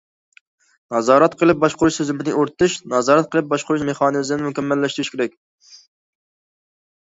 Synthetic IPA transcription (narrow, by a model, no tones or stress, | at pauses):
nɑzɑːɾɛt̪qʰəlˠɨp̚bɑʃqʊɾuʃsøzɪmɪnɪʔoɾt̪ʰɨʃnɑzɑːɾɛt̪̚qʰəlˠɨp̚bɑʃqʰʊɾuʃmeχɑːnɨzɪnɪmukʲɛmːɛlːɛʃt̪ɾuʃkʲeɾɛk̚ʲ